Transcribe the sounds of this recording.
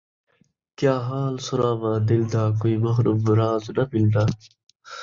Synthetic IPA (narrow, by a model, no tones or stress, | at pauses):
kjaːɦaːlsʊɾaːʋaːd̪ild̪aːkoimɐxɾubɾaːznɐbild̪aː